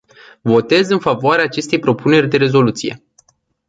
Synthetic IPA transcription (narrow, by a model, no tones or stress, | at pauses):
vo̞t̪e̞zɨnfavoaɾeaːt͡ʃe̞st̪e̞jpɾo̞pune̞rʲd̪e̞ɾe̞zo̞lut̪sije̞̰